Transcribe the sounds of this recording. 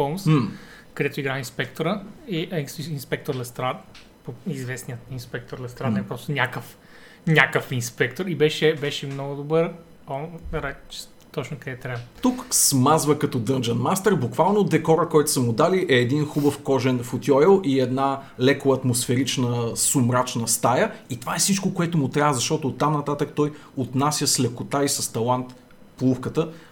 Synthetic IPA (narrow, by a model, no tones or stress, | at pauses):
ɔms | kɐd̪ɛt̪ʊiɡɾainspɛkt̪oɾəiʔinspɛk̚t̪oɾlɛst̪ɾat̪ | poizvɛsnijət̪inspɛk̚t̪oɾlɛst̪ɾad̪ɛpɾɔst̪onʲakəf | nʲakəfinspɛkt̪oɾibɛʃɛbɛʃɛmnɔɡʊd̪obəɾ | ɔɾɛt͡ʃ | t̪ɔt͡ʃnʊkɐd̪ɛt̪ːɾʲabt̪uksmazvəkɐt̪ɔd̪ɤnd͡ʒənmast̪ɛɾbʊkvalˠnod̪ɛkɔɾəkɔjt̪ʊ̥səmʊd̪aliʔɛːd̪inxubəfkɔʒɛnfot̪ʲjɔɛlˠʔiɛd̪na | lɛkʊɐt̪mʊsfɛɾit͡ʃnəsʊmɾat͡ʃnəst̪ajəit̪ovaɛsit͡ʃkokoɛt̪ʊmʊt̪ɾʲavəzɐʃt̪ɔt̪ʊːt̪ːamnɐt̪at̪ək̚t̪ɔj | ot̪nasʲjəslɛkʊt̪aisɐst̪ɐlˠant̪ | plˠufkət̪ə